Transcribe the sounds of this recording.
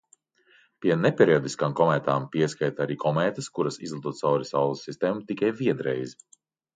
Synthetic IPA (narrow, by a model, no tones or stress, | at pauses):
piɛnepʲeɾiɔd̪iskaːmkɔmɛːt̪aːmpiɛskajt̪aɾiːkʰɔmɛːt̪ɐskuɾɐsizlˠat̪uɔːt̪sawɾʲisawlˠɐsːist̪eːmut̪ikajvʲiɛd̪ɾɛ̰jzi